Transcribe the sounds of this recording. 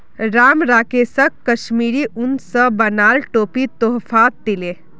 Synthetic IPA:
ɾaːmɾaːkeːsəkːəʃmiːɾiʔʊnsəbɐnaːlʈoːpit̪oɦfʰaːt̪̚d̪ileː

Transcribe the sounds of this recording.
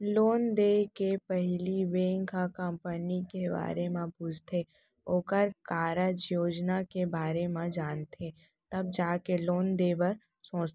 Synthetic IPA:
loːnd̪ekepəɦliʋẽːŋkakəmpənikeba̰ːɾemãpʊd͡ʒʱt̪ʰe | oːkəɾkaːɾəd͡ʒjoːd͡ʒnakebaːɾemãd͡ʒaːnt̪ʰe | t̪ɐb̚d͡ʒaːkeloːnd̪eːbəɾ | sõːt͡ʃt̪

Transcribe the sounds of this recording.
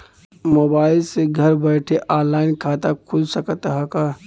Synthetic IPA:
moːbaːɪlseɡʱəɾbɛʈʰeʔaːɾlaːɪnkʰaːt̪akʰʊlsəkət̪ɦəka

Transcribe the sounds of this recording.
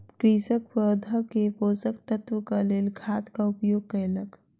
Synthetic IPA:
kɾiːsəkpɔːd̪ʱəkepoːsəkt̪ət̪wəkaleːlɡʱaːt̪kaʊpjoːɡ̚kəjlək

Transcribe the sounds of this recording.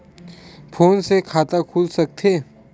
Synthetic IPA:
pʰoːnsekʰaːt̪akʰuːlsɐk̚t̪ʰeː

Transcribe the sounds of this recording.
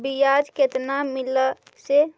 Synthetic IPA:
bijad͡ʒket̪namɪl | se

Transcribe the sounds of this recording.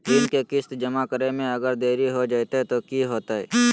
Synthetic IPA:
ɪnkekɪst̪d͡ʒɐmakəɾemẽɐɡəɾd̪eːɾiɦod͡ʒaːt̪aɦɛt̪okiːɦoːt̪aɦɛ̰ː

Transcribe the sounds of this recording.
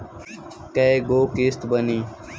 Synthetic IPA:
kəeɡoːkeːst̪bəniː

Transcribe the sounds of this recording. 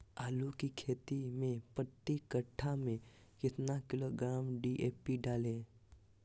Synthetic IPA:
aːlukikʰeːt̪imẽpət̪ːikəʈʰːamẽjɪt̪nakɪloɡɾaːmɖiːʔeːpiɖaːlẽː

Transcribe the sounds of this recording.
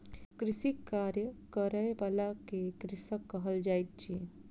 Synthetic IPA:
kɾɪsikːaːɾjəkəɾəeʋalakekɾɪsəkːəɦəld͡ʒaːit̪̚t͡ʃe

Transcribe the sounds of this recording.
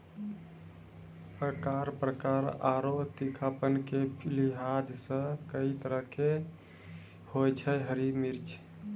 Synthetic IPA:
əkaɾpɾəkaɾaɾot̪ikʰapənkepʰliɦad͡ʒsə̃kəit̪əɾəɦke | hojt͡ʃʰɛɦəɾimiɾt͡ʃʰ

